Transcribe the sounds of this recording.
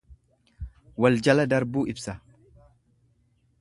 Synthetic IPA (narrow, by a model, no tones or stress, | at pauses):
wɐld͡ʒɐlɐd̪ɐɾbuːɪbsɐ